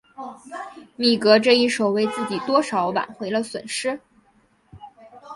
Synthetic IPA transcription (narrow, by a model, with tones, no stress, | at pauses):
mi˨˩kɤ˧˥ʈ͡ʂɤ˥˧i˥˩ʂo˨˩ʊwe˧˥ɪt͡sɹ̩˥˩t͡ɕi˨˩t̪wɔ˥ʂɑ˧˥ʊwa̰˨˩nxwe˧˥ɪlə˧swə̰˨˩nʂɻ̩˥